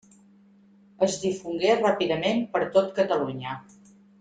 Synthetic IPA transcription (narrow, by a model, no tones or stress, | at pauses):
əzdifuŋɡerapiðəmempəɾt̪ot̪kət̪əluɲə